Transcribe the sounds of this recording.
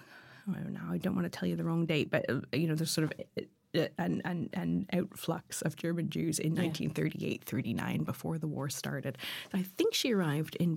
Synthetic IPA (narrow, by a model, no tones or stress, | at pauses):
na̰ʊaɪdõʊ̃nʔwɑ̃nɨtʰɛlˠjɨðəɹɔ̃ŋdeɪt̚b̥ʌ̰t̚jɨnoʊðə˞z̥sɔɹɾʌv | ɨ̃nɨ̃nɨ̃naʊtflʌ̰k̚sʌvd͡ʒɜ˞mɨ̃nd͡ʒʉzɪ̰̃nːãɪ̃ntʰĩnθɜ˞ɾḭḛɪt̪̚θɜ˞ɾinã̰ɪ̃nbəfɔɹðəwɔ̰ɹstɑ̰ɹɾɨd̥̚sʊaɪθɪ̃ŋkʃiə˞aɪvdɪ̃n